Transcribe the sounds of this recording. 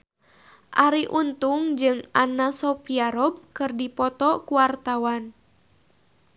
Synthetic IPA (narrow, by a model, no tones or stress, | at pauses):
ʔaɾiʔunt̪uŋd͡ʒɨŋanasɔpiaɾɔb̚kɨrdipɔt̪ɔkuwart̪awan